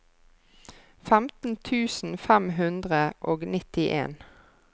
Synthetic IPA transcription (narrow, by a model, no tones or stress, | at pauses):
fæmt̪n̩t̪ʰʉːsn̩fæmɦʉnd̪ʁəʔoːɡnɪt̪ɪʔḛːn